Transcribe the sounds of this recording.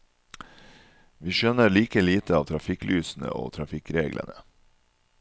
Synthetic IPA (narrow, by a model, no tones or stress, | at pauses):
ʋiːʃœnəɭiːkəliːt̪əɑːʋt̪ʰɾɑfɪklʔyːsn̩ə̰o̰ːt̪ʰɾɑfɪkɾeːɡlʔə̰nə